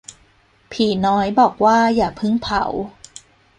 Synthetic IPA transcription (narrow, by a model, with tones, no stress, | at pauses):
pʰiː˨˩nɔː˦˥jbɔː˨˩k̚waː˥˩jaː˨˩k̚pʰɯ˥˩ŋpʰa̰˨˩˦w